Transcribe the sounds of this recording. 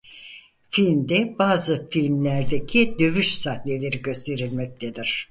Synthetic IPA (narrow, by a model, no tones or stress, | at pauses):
filʲmd̪ɛbaːzɯfilʲmlʲæɾd̪ecʰid̪ø̞vyʃsahne̞lʲe̞ɾiɟø̞st̪ʰe̞ɾilʲmɛc̚t̪ʰed̪iɾ̥